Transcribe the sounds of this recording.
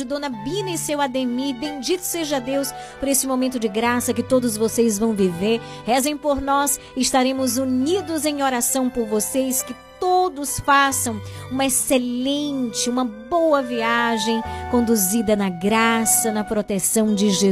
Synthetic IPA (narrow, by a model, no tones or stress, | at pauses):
ɪd̪õnɐbĩnɐɪsewad̪emibẽj̃d͡ʒit̪ʊ̥seʒad̪ews | poɾesɪmomẽnt̪ʊd͡ʒɪɡɾasɐkɪt̪od̪ʊzvosejzvɐ̃w̃viveɾ | hɛzẽj̃poɾnɔs | ɪɪst̪aɾẽmʊzunid̪ʊzẽj̃oɾasɐ̃w̃poɾvosejskɪt̪od̪ʊsfasɐ̃w̃ũmɐeselẽnt͡ʃɪũmɐbowɐviaʒẽj̃kõnd̪uzid̪ɐnɐɡɾasɐnɐpɾot̪esɐ̃w̃d͡ʒɪʒe